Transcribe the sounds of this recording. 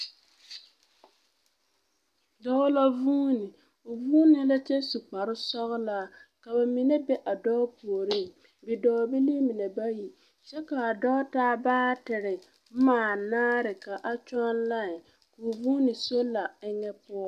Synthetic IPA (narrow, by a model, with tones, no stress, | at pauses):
dɔː˦la˦vuː˦nɪ˨ | ʊ˨vuː˦nɪ˦la˦t͡ʃɛ˦su˨k͡pa˨ɾɪ˦sɔ˦ɣʊ˦la˦ka˨ba˨mi˨nɛ˦bɛ˦ʔa˨dɔː˦pu˨o˨ɾɪ˦˨ŋ˨ | bɪ˨dɔː˨˦bɪ˦li˦mɪ˨nɛ˨ba˦ji˨ | t͡ʃɛ˦ka˨a˨dɔː˦taː˦baː˦tɪ˨ɾɪ˨˦ | maː˨naː˦ɾɪ˨ka˨ʔa˨t͡ʃɔ˦nla˦˨ | kʊ˨vuː˦nɪ˨so˦lːa˨ɪ˦ŋɛ˦pʊ˦ɔ˦